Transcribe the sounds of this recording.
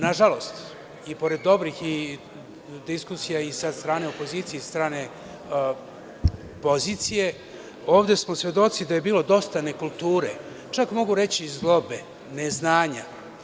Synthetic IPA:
naʒalo̞st̪ | ipo̞ɾe̞d̪ːo̞bɾixi | d̪iskusijaisad̪st̪ɾaːne̞o̞po̞ziːt̪sijest̪ɾaːne̞ | po̞zit̪sije̞ | o̞ːʋd̪e̞smo̞sʋe̞d̪o̞t̪sid̪aje̞biːlo̞d̪o̞st̪ane̞kulˠt̪uːɾḛ | t͡ʃakmo̞ɡuɾe̞t͡ɕizlˠo̞be̞ | neznaːɲa

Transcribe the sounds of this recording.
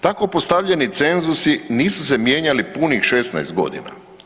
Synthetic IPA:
t̪ako̞post̪aʋʎe̞nit̪se̞nzusiniːsusemje̞ːɲalipunixʃe̞st̪na̰jst̪̚ɡo̞̰d̪ḭna̰

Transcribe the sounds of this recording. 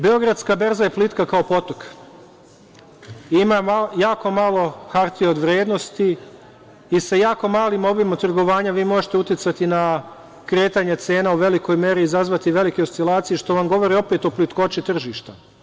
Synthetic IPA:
beo̞ɡɾad̪skabe̞ɾzaje̞plit̪kakaopo̞t̪ok | imaajaːko̞malo̞xaɾt̪ijeod̪ʋɾjeːd̪no̞st̪iː | sajaːko̞maːlimo̞bimat̪r̩ɡo̞ʋaːɲaʋiːmo̞ʒet̪e̞ut̪jet̪sat̪ina | kɾeːt̪aɲe̞t̪se̞ːnauʋe̞liko̞jme̞ɾiːzazʋat̪iʋe̞likeost̪ilˠaːt̪siiʃt̪o̞ʋamɡo̞ʋo̞ɾio̞pet̪o̞plit̪ko̞t͡ʃit̪r̩ʒiːʃt̪a

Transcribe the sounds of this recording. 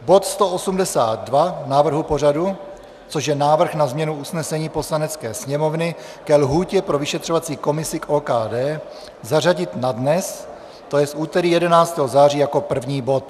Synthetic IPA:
bo̞t̪st̪oosumdɛsa̰ːd̪̚dvanaːvr̩ɦupo̞r̝adu | t͡soʒjɛnaːvr̩xnazmɲɛnuusnɛsɛɲiːpo̞slanɛt͡skɛːsɲɛmo̞vnɪ | kɛlɦuːcɛpɾo̞vɪʃɛt̪r̝̥ovat͡siːko̞mɪsɪkʔoːkaːdɛː | zaraɟɪt̪nadnɛs | t̪ojɛsʔuːt̪ɛɾiːjɛdɛnaːt͡st̪ɛːɦozaːriːjako̞pr̩vɲiːbo̞t̪̚

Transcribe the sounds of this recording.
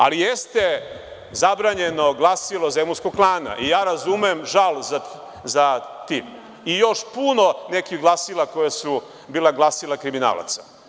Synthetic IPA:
a̰lijest̪e̞ | zabɾaːɲe̞no̞ɡlˠasilˠozemuskoɡ̚klˠaːna̰ʔijaːɾazumemʒalˠza | zat̪i | ijo̞ʃpuno̞ne̞kiɣɡlˠasilˠakojasu | biːleɡlˠasilakɾimina̰ːlˠa̰t̪sḁ

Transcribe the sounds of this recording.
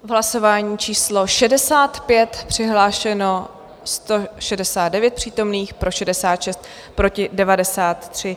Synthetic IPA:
vɦlaso̞vaːɲiːt͡ʃiːslo̞ʃɛdɛsaːt̪pjɛt̪pr̝̥ɪɦlaːʃɛno̞ | st̪o̞ʃɛdɛsaːd̪dɛvjɛt̪̚pr̥iːt̪o̞mniːxpɾʔo̞ʃɛdɛsaːt̪ʃɛst̪̚ | pɾo̞cɪdɛvadɛsaːt̪ːr̝̥ɪ

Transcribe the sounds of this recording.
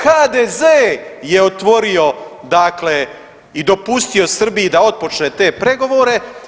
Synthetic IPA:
xaːd̪eːzeːjeot̪ʋo̞ɾio̞d̪akle | id̪o̞pust̪io̞sr̩bijid̪ao̞d̪̚po̞t͡ʃneːt̪e̞ːpɾe̞ɡo̞ʋoːɾe̞

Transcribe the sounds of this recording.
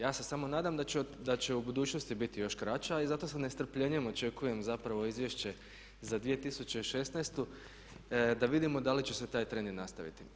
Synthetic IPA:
jaːse̞samo̞naːd̪amd̪ad̪at͡ɕe̞ubud̪uːt͡ʃno̞st̪ibit̪ijo̞ʃkɾat͡ʃaizat̪os̬anest̪r̩pʎeɲe̞mo̞t͡ʃe̞kuje̞mzapɾaʋo̞izʋje̞ʃt͡ɕe̞ | zad̪ʋije̞t̪isut͡ɕe̞iʃe̞snast̪u | d̪aʋid̪imo̞d̪alit͡ɕeset̪aːjt̪ɾeninnast̪aʋḭt̪i

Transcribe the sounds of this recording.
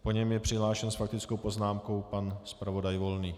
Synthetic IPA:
po̞ɲɛmjɛpr̝̥ɪɦlaːʃɛnsfak̚t̪ɪt͡skowpo̞znaːmko̞wpanspɾavo̞dajvo̞lniː

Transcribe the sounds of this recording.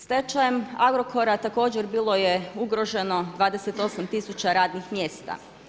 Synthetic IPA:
st̪e̞t͡ʃajemaɡɾo̞ko̞ɾat̪ako̞ːd͡ʑeɾbiːlˠo̞jeuɡɾo̞ʒe̞no̞d̪ʋaːd̪eset̪o̞samt̪isut͡ɕaɾaːd̪nixmje̞ːst̪a̰

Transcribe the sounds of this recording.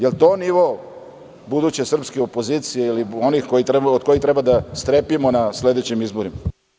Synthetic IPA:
jelt̪oniʋo | bud̪uːt͡ɕesr̩pskeopoziːt̪sijeilio̞nixkojit̪ɾeod̪̚ko̞jit̪ɾe̞bad̪ast̪ɾepimonasle̞d̪et͡ɕimizboɾima

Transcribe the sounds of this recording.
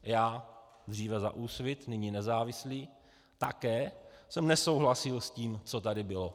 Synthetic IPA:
jaː | d̪r̝iːvɛza̰ʔuːsvɪt̪nɪɲinɛzaːvɪsliː | t̪akɛːsɛmnɛsowɦlasɪlsciːmt͡sot̪adɪbɪlo̞

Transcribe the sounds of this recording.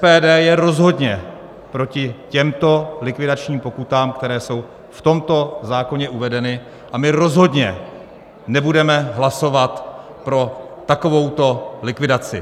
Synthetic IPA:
ɛpɛːdɛːjɛɾo̞zɦo̞dɲɛ | pɾo̞cɪcɛmt̪o̞lɪkvɪdat͡ʃɲiːmpo̞kut̪aːmkt̪ɛɾɛːso̞w | ft̪o̞mt̪o̞zaːko̞ɲɛʔuvɛdɛnɪ | ʔamɪɾo̞zɦo̞dɲɛ | nɛbudɛmɛɦlaso̞vat̪ | pɾo̞t̪ako̞vo̞wt̪o̞lɪkvɪdat͡sɪ̰

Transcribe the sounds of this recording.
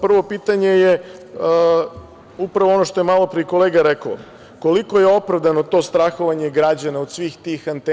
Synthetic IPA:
pr̩ʋo̞piːt̪aɲe̞je | upɾaʋoono̞ʃt̪o̞jemalˠo̞pɾiko̞leːɡaɾeko̰ | ko̞liko̞jeo̞pɾavd̪ano̞t̪o̞st̪ɾaxo̞ʋaɲe̞ɡɾad͡ʑanaod̪sʋiːxt̪ixant̪e

